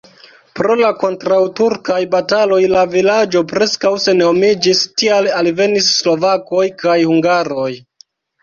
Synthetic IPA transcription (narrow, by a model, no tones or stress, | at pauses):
pɾo̞lako̞ntɾawtuɾkajbatalo̞jlavilad͡ʒo̞pɾe̞skawse̞nomid͡ʒistialalve̞nisːlo̞vako̞jkajhuŋɡaɾo̞j